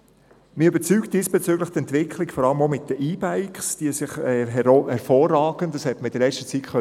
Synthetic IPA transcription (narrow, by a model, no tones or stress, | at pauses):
mɪybəɾt͡syːkt̚d̥iːsb̥ɛt͡syːɡləχt̪ɛntʋɪkʰlikfɔɾɑləmomɪt̚d̥əʔiːbæɪkχsd̥iəsɪχɛɦɛhɛɾfɔːrːɑːɡ̥əntd̥ɑshɛt̪məɪd̥əɾlɛt͡stət͡sitχœ